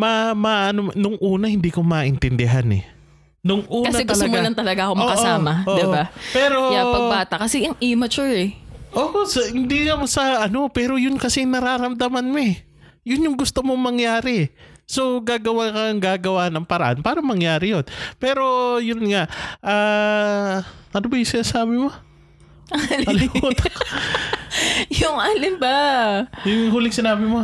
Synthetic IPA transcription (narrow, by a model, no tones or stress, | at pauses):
mɐmaʔɐnonʊŋʔuːnɐhɪnd̪iːkomaːʔɪnt̪ɪnd̪ɪɦanɛ̰ | nʊŋʔuːkɐsnɐɛɡ̪ɐlɐmolɐnt̪ɐlɐɡaʔɐkommoɐkɐʔsaːmɐʔod̪ɪbapɛːɾo̞japɐbaːt̪ɐkɐsɛjɐŋʔimɐt͡ʃʊɹɛʔoːʔosɐhɪnd̪iŋɐmɐsɐʔɐno̞pɛːɾojʊnkɐsɛnɐɾaːɾɐmd̪ɐmanmo | jʊnjʊŋɡʊst̪omoŋmɐŋjaːɾɪ | so̞ɡaːɡɐwakɐŋɡaːɡɐwaːnɐŋpɐɾɐ̰ʔa̰npaːɾɐmɐŋjaːɾɪjonpɛːɾo̞jʊnŋaʔʔaː | ʔɐnobɐjʊsɪnaːsaːbɪmo̞ | ɐlɐlɪmuːt̪ak | jʊŋaːlɪmbajʊŋhuːlɪŋsɪnaːbɪmo̞